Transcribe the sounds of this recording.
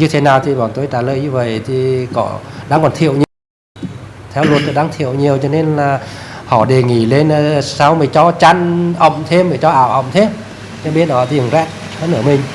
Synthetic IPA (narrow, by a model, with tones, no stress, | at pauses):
ɲɨ˧t̪ʰe˨˦naː˨˩wt̪ʰi˨˩ɓaː˨˩nt̪o˧jt͡ɕaː˧˩ləː˨jɲɨ˧və̰˧˨jt̪ʰi˨˩kɔ̰˧˩˦ɗa̰ː˧˥ŋkɔ˨˩nt̪ʰi˧˨ə˨wɲi˨˩əw | t̪ʰɛ˧˦wlu˨˧ənt̪o˧˩ɗaː˧˥ŋt̪ʰḭ˧˨əwɲi˨˩əwt͡ɕɔ˧ne˧nlaː˨˩hɔ̰˧˩ɗe˨˩ŋi˧˩le˧nː˧saː˧wməː˨˩t͡ɕɔ˧t͡ɕa˧nʔə̰˧˨wŋ͡mt̪ʰe˧məː˨˩t͡ɕɔ˧ʔaː˧˨wʔə̰˧˨wŋ͡mt̪ʰe˧˦m | t͡ɕɔ˧ɓi˦˥ət̚ɔ˧˩t̪ʰi˨˧˩ə˨˩ŋzɛ̰˧˥t̚ | hə˧˦nʔəː˧˩mï˨˩ŋ̟